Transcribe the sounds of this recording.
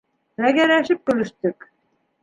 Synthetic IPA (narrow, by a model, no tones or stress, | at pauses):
mæɡæɾæʃɘp̚kɵ̆lɘ̆ʃt̪ɵk